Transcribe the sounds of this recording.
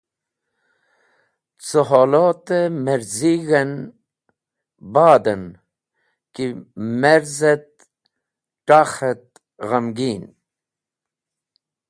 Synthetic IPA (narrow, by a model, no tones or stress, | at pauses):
t͡soɦolot̪emeɾziɣen | baːd̪ɐn | kimeɾzet̪̚ | ʈaxet̪̚ | ɣɐmɡiːn